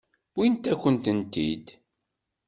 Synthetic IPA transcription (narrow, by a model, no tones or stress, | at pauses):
wint̪ækːənt̪ənt̪ḭd̪